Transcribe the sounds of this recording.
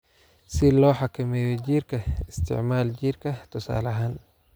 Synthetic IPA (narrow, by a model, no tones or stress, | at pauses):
sɪlɔːħakʰɐmɛːjɛd͡ʒiːrkʰɐɪst̪ʰɪ̰ʕmaːld͡ʒiːrkʰɐt̪ʰʊsa̰ːlɐɦaːn